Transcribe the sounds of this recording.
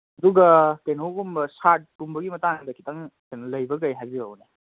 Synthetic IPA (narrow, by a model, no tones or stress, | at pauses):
ɐduɡɐkajnɐuɡumbɐsat̚kumbɐɡimɐtaŋdɐkʰi̥tɐŋkajnɐlɐjbɐɡɐjɦajbiawne